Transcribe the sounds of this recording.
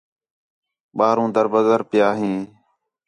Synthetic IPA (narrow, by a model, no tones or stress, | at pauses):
ɓaːɾũːd̪əɾbəzəɾpɪjaːɦĩː